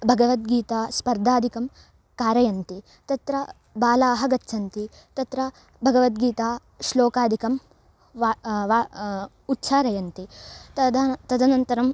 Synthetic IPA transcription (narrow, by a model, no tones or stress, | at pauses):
bʱɐɡɐʋɐt̪ɡiːt̪aːspɐɾd̪ʱaːd̪ʱikɐm | kaːɾɐjɐnt̪i | t̪ɐt̪ɾɐ | baːlaːɦɐɡɐt̪ːt͡ʃʰɐnt̪i | t̪ɐt̪ɾɐ | bʱɐɡɐʋɐt̪ɡiːt̪aː | ʃloːkaːd̪ʱikɐm | ʋa | ut̪ːʃaːɾɐjɐnt̪id̪t̪ɐd̪ʱɐnɐnt̪ɐɾɐm